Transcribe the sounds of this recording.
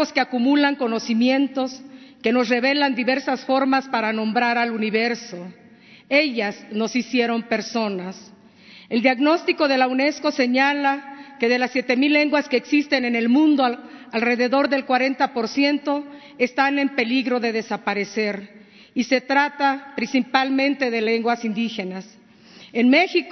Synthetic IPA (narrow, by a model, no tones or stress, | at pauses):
oskeakumulaŋko̞no̞simje̞nt̪o̞ske̞no̞sre̞βe̞land̪iβe̞ɾsasfo̞ɾmaspaɾanõ̞mbɾaɾaluniβe̞ɾso̞ | e̞ʝazno̞sisje̞ɾo̞mpe̞ɾso̞nas | e̞ld̪jaɣno̞st̪iko̞ðe̞laune̞sko̞se̞ɲalake̞ðe̞lasːje̞t̪e̞milːe̞ŋɡwaskeːksist̪e̞nene̞lmũnd̪oalre̞ðe̞ðo̞ɾðe̞lkwaɾe̞nt̪apo̞ɾsje̞nt̪o̞ | est̪ane̞mpe̞liɣɾo̞ðe̞ðe̞sapaɾe̞se̞ɾ | ise̞t̪ɾat̪apɾinsipalmẽ̞nt̪eðe̞le̞ŋɡwasind̪ixe̞nas | enmexik